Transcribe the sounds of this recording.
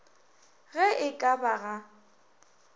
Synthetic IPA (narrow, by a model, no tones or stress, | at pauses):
ɣɛʔɪkʼabaɣa